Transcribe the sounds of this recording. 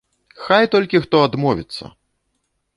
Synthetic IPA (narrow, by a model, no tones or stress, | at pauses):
xajt̪ɔlʲkʲixt̪ɔad̪mɔvʲit̪sːɐ̰